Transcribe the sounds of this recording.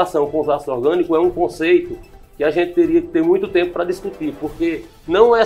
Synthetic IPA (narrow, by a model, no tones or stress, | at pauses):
asɐ̃w̃kõʊzasɾɔɾɡɐ̃nikʊɛũkõsejt̪ʊkɪaʒẽnt̪ɪ̥t̪eɾiɐkɪ̥t̪eɾmũj̃t̪ʊt̪ẽmpʊpɾɐd̪iskut̪iɾpoɾke | nɐ̃w̃ɛ